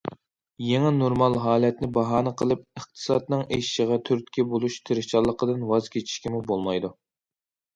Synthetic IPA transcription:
jeŋɛnoɾmɑlˠɦɑːlɛt̪nɪbɑɦɑːnɨqʰəlˠɨp̚əχt̪ʰɨ̥sɑ̰d̪nɨŋeʃʃəʁɑt̪ʰyɾt̪̚kʲɛbolˠuʃt̪ʰeɾɪt͡ʃɑlˠːəqəd̪ɨnwɑzkʲʰet͡ʃʰi̥ʃkʲimubolˠmɑjd̪u

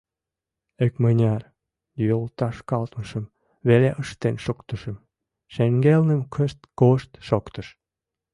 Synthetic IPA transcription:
ekmənʲɑr | jolˠt̪ɑʃkɑlt̪məʃə̆m | βeleʔəʃt̪enʃokt̪ə̆ʃə̆m | ʃeŋɡelnə̆mkʰəʃt̪koʃt̪ʃokt̪ə̆ʃ

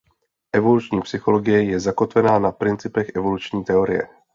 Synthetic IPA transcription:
ʔɛvo̞lut͡ʃɲiːpsɪxo̞lo̞ɡɪjɛjɛzako̞t̪vɛnaːnapɾɪnt͡sɪpɛxʔɛvo̞lut͡ʃɲiːt̪ɛo̞ɾɪ̰jɛ̰

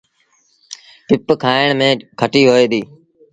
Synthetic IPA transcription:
pɪpkʰaːɪɳmẽːkʰəʈiːɦoːeːd̪iː

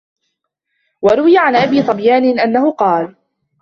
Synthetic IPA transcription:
wɑɾˤʊwɪjaʕanʔabiːsˤɑbjaːnɪʔanːahʊqɑːl

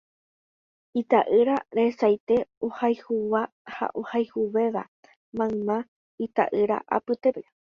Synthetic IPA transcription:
it̪aʔɨɾaɾesajt̪e̞ohajhuwa | ha̰ʔohajhuʋe̞ʋa | mãmã | it̪a̰ʔɨɾa̰ʔa̰pɨt̪epe

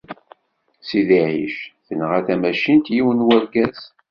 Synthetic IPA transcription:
siðiʕḭʃθənʁæθæmæʃint̪jiwənwæɾɡæz

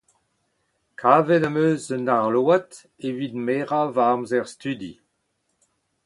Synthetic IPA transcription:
kʰaːvɛnamøːzənaʁloat | evidmeːʁavamzɛʁst̪yd̪i

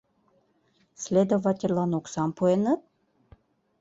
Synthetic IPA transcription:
slʲed̪ovɑtʲerlˠɑnoksɑmpuenɤt̪̚

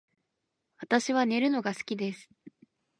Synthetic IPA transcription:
βat̪aɕiβane̞ɾɯ̟no̞ɡasɨ̥kʲid̪e̞sɨ̥

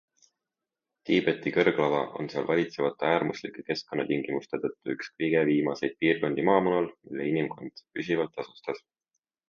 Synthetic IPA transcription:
t̪iːb̥e̞t̪ːˑikɤrɡ̥lɑvɑ̰ʔo̞̰nseɑlvɑlʲit̪se̞vɑt̪ːˑeæːrmuslikːˑe̥ke̞sko̞nːɑt̪iŋɡ̥imust̪e̞t̪ɤ̞t̪ˑːuykskɤjɡeviːmɑse̞jd̪̚piːrko̞nd̪̥imɑːmunɑlmilːeinimko̞nd̪̥pysʲivɑlt̪ːˑɑsust̪ɑs

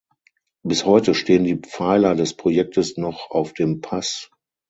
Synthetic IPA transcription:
b̥ɪshɔʏtəʃteːəndiːp͡faɪlɐdɛspʁ̥ojɛk̚təsnɔχaʊfd̥eːmpʰas

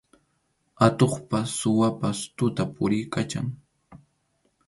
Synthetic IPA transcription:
at̪oχpasʊwapast̪ʊt̪apʊɾɪjkat͡ʃaŋ

